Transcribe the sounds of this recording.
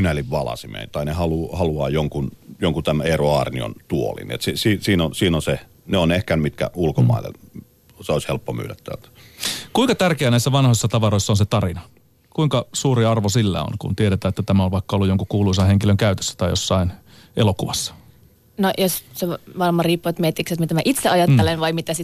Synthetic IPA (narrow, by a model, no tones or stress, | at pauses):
ynæliʋʋɑlɑ̰simḛint̪ɑinehɑluhɑluɑːjoŋkunjoŋkut̪æmeroɑrnio̰nt̪uolḭniḛt̪sisiːsiːnonsiːnonse | neonehkænmit̪kæ̰ulkomɑ̰ˑilḛl | seoˑisʲhelpːomy̰ːlæt̪t̪æ̰ːlt̪æ̥kuiŋkɑt̪ærkeænæisːæʋɑnhoisːɑt̪ɑʋɑɾoisːɑonset̪ɑrinɑ | kuiŋkɑsuːɾiɑrʋosilːæ̰o̰nkṵnt̪ieɾet̪æːet̪ːæt̪æmæolʋɑikːɑolːujoŋkukuːluisɑheŋkiløŋkæyt̪ø̥sːæ̥t̪ɑijjosːɑin | ʔelokuʋɑsːɑ̥ | nojosseʋɑnmɑriːpːuet̪miet̪ːikset̪mit̪æmæʔit̪seʔɑjɑt̪ːelenʋɑimit̪æsi